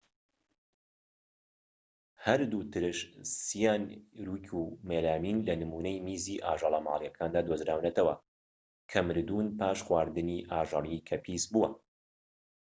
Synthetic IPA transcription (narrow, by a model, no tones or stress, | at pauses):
hɐɾd̪ut̪ʰɨɾɨʃsijaːnɾuːkʰumeːlaːmiːnlɐnɨmuːnɛjmiːziːʔaːʒɑlˠɐma̰ːlˠjɐkʰaːnd̪aːd̪ozɾaːwnɐt̪ʰɐwɐ̰ | kʰɐmɨɾd̪unpaːʃxwaːɾd̪ɨniːʔaːʒɑɾikʰɐpʰiːsbuwɐ